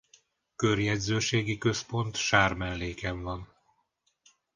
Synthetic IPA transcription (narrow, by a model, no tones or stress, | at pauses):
kørjɛdzøːʃeːɡikø̞spo̞nt̪ʃaːrmɛlːeːkɛɱvɒn